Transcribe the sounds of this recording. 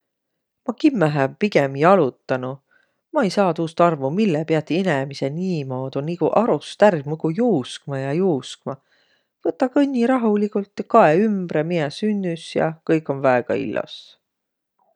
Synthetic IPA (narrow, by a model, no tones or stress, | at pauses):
mɑkimːæɦæbpiɡ̥emiɑlut̪ˑːɑnu | mɑejsɑːt̪uːst̪ɑrvumilːepeɑt̪ːiinemiseniːmoːd̪unikuʔɑɾust̪ærmukujuːskmɑjɑjuːskmɑ | v̥ɤt̪ːˑɑkɤnʲːiɾɑɦulikult̪ːˑɑkɑeymb̥ɾemiesynʲːysjɑ̰kɤjkːˑo̞nvæeɡ̥ɑ̰ḭlːɑ̰s